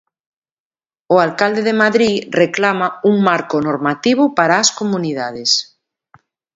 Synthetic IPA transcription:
ʊalkald̪eðemaðɾireklamauŋmaɾkʊnoɾmat̪iβ̞ʊpaɾaːskomuniðaðes

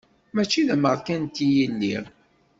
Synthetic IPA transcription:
mæt͡ʃːiðæməʁðkænt̪ːijəlːḭʁ

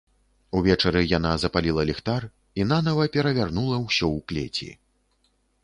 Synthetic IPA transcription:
uvʲɛt͡ʂɐɾɨjanazɐpalʲilˠɐlʲixt̪ar | in̪anɐvɐpʲɛɾɐvʲarnulˠɐwsʲɔwklʲḛt͡sʲḭ

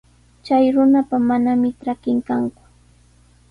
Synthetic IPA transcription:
t͡ʃajɾʊnapamanamɪʈ͡ʂakɪŋkaŋkʊ̥

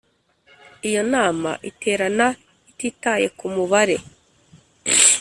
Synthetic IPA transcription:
ijo̞naːma̰ʔitʰe̞ːɾana | itiːtaje̞kumuβaɾe̞

